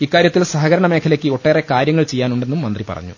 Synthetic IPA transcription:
ikːaːɾjɐt̪ːilsɐɦɐɣɐɾɐɳɐme̞ːkʰɐlɐkʲːɨo̞ʈːe̞ːrekaːɾjɐŋːɐɭt͡ɕe̞jːaːnuɳɖe̞nːumːɐnd̪ripɐ̰rɐ̰ɲːṵ

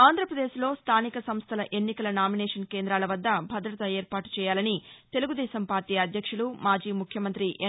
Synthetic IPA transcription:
aːnd̪ʱɾɐpɾɐd̪eːʃlo̞ːst̪ʰaːnikɐsɐmst̪ʰɐlɐʔe̞nːikɐlɐnaːminɛːʂɐnkeːnd̪ɾaːlɐʋɐd̪ːɐbʱɐd̪ɾɐt̪ɐeːɾpaːʈu̥t͡ʃɛːjaːlɐnit̪e̞luɡud̪ɛːʃɐmpaːɾʈiːɐd̪ʱjɐkʂulumaːd͡ʒiːmukʰjɐmɐnt̪ɾiʔe

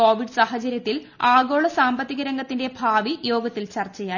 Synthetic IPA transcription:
oːʋiɖɨsaːhɐt͡ɕɐɾjɐt̪ːil | aːɡo̞ːɭɐsaːmbɐt̪ːiɣɐɾɐŋɡɐt̪ːinde̞bʱaːʋijo̞ːɡɐt̪ːilt͡ɕɐrt͡ɕːɐjaː

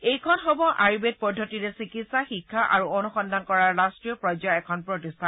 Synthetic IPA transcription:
ejkʰɔnxɔbɔʔaɹibet̚pɔdʱːɔtiɹɛsikitsaxikʰːaʔa̰ɹuɔnuxɔndʱankɔɹaɹɹastɹijɔpɹɔjzɔɛkʰɔnpɹɔtistʰan

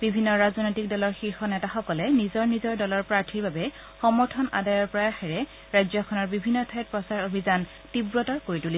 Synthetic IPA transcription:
b̥ibʱinːɔɹaznojtik̚dɔlɔɹxiɹxɔnɛtaxɔkɔlɛnizɔɹnizɔɹdɔlɔɹpɹaɹtʰiɹbabɛ | xɔmɔɹtʰɔna̰dajɔɹpɹɔjaxɛɹɛ | ɹazjɔkʰɔnɔɹbibʱinːɔtʰat̚pɹɔsaɹobʱizan | tibɹɔtɔɹkoɹituli

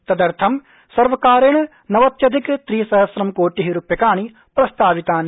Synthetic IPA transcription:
t̪ɐd̪əɾt̪ʰɐm | sɐɾʋɐkaːɾɪɳ̃ | nɐʋɐt̪jɐd̪ʱɪkt̪ɾiːsɐɦəsɾɐmkoːʈiɦiɾʊpjəkaːɳ̃i | pɾɐst̪aːʋɪt̪aːni

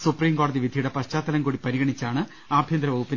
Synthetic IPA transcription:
supriːmko̞ːɽɐðiʋid̪ʱijuɽe̞pɐɕt͡ɕaːt̪ːɐlɐmkuːɽipɐɾiɣɐɳit͡ɕːaːɳɨ | aːbʱjɐnd̪ɾɐʋɐːupːin

